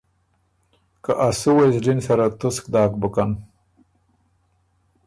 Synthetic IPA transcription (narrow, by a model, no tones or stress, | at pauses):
kaʔasuwejsɖinsaɾat̪usk̚d̪ɑːkbəkan